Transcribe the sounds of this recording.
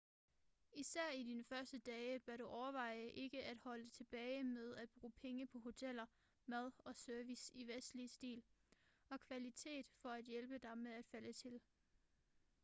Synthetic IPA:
isæɐ̰id̥inəfɶɐsd̥əd̥ɛːb̥æɐɾ̥uʔɒʊɐʋɑ̈ɪ̰əʔe̝ɡ̥əʔæd̥hɒ̽lət͡sʰe̝b̥ɛːɪmeðˠæd̥̚b̥ʁṵːpʰeŋəpʰɒ̽ɦo̝t͡sʰel̰ɐ | mæð̞ˠɒ̽søɐʋisiʋesd̥lisd̥ḭːlɒ̽kʰʋælit͡sʰe̝̰ːd̥fɒ̽æd̥jelb̥əd̥ɑ̈ɪmeðˠæd̥fælət͡sʰe̝l

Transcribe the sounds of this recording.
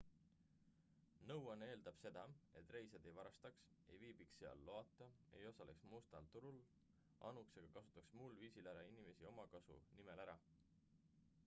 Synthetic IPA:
nɤwɑne̞ːld̪ɑb̥se̞d̪̥ɑe̞t̪ːˑre̞jsed̪e̞jvɑɾɑst̪ɑks | e̞jviːb̥iksːeɑ̰lːo̞ɑt̪ˑːɑe̞̰jo̞sɑle̞̰ksmust̪ɑlt̪uɾul | ʔɑ̰nukseɡ̥ɑkɑsu̥t̪ːˑɑksmulviːsilæɾɑinime̞sio̞mɑkɑsṵnimelæɾɑ

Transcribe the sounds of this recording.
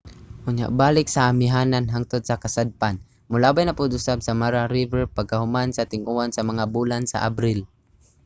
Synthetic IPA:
kʊɲja̰ʔbaːlɪksaːmɪɦaːnanɦaŋt̪ʊd̪̚sakasad̪̚pan | mʊlabajnapʊd̪ʊsabsamaɾaɾivɛɹpaɡ̚kahʊmansat̪ɪŋʔuansamaŋabulansa̰ʔabɾɪl

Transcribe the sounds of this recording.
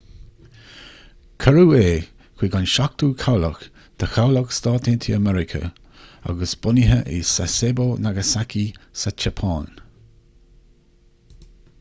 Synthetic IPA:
kʰəɾueː | kʰw̥iːɡanʃak̚t̪uːkʰawlə̰x | d̪̥ʰəxawləkst̪aːt̪ʰɪnt̪ʰiəmɛɾɪkʰə̰ | a̰ɡəsb̥ʊnəɦəʔḭsasebonaɡəsakisat͡ʃapʰaːn

